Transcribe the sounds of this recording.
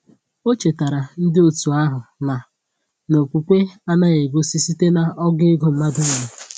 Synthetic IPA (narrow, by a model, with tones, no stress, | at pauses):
o˦t͡ʃe˨ta˨ɾa˨n̩˦dɪ˦o˨tu˨a˦ɦʊ˨na˨ | no˨kʷu˨kʷe˦a˦na˦ɣe˨ɡo˦si˦si˦te˦na˨ɔ˦ɡɪ˦ɡo˦m̩˨ma˦dʊ˦ŋa˨ɾa˨